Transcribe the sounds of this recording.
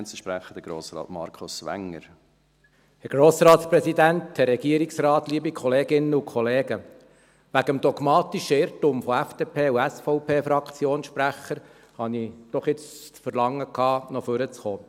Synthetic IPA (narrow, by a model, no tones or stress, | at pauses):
nsəʃpɾæχəd̥ɛɡ̥ɾo̰ːsɾɑ̰ːtmɑ̰ɾkʰʊsʋæ̰ŋːə̰ɾ | hɛɡ̥ɾoːsɾɑːtspɾɛsid̪ænt̪hɛɾɛɡ̥iəɾiksɾɑːt̪ːliəbikχɔleːɡɪnːəukʰχɔleːɡə | ʋæɡəmd̥̪ɔɡ̥mɑːt̪iʃəɪɾtʊmfɔæfd̥eːpʰeːuæsfɔʊpʰeːfɾɑkt͡sjoːnsʃpɾæχəɾ | hɑnid̪̥ɔχɪt͡st͡sfəɾlɑŋːəkʰhɑːnɔføɾət͡sχoː